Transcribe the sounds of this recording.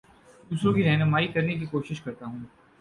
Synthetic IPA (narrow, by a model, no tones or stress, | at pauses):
d̪uːsɾõkiɾɛɦnəmaːikɐɾnekikoːʃɪʃkɐɾt̪aɦũː